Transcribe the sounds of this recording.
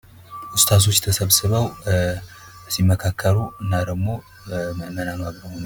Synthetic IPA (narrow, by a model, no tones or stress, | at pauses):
ʔʊst̪ʰat̪̬ʰo̞t͡ʃːt̪ʰəsəβsɨβəw | simːəkʰakʰːəɾuɨnːad̪əɡmo̞ | mənamaɡɾəhon